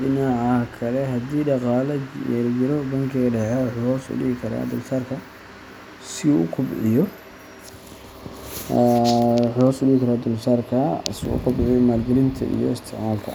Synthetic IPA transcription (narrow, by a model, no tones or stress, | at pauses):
ɗɪnaʕɑkʰɐlɛɦɐd̪iːɖɑqɑːlɛjɛɾd͡ʒɪɾɔbɐŋkʰɪɣɐɖɛʕɛħɔːsʊ̰ɗɪɣɪkʰɐɾa̰ːd̪ɐlsaːrkʰɐ | sɪuʊkʰʊbʕɪjɔ | ħɔːsʊɖɪɪkʰɐɾaːd̪ʊlsaːrkʰɐsʊ̰kʰʊbʕɪjɔmaːlɡɛlɪnt̪ʰɐ̰ʔḭjɔ̰ɪst̪ʰɛʕmaːlt̪ʰɐ̰